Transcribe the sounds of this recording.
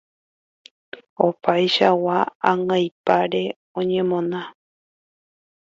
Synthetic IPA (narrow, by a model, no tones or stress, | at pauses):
o̞pajʃawaːŋajpaɾe̞ | õɲẽ̞mõ̞nã